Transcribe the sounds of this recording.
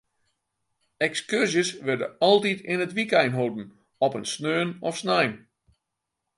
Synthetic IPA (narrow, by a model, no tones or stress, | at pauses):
ɛkskørsjəsʋɪrdə̰ɔlˠtitʰɪnətʋikɛjnɦowdn̩ | ɔpənsnøːnɔfsnajn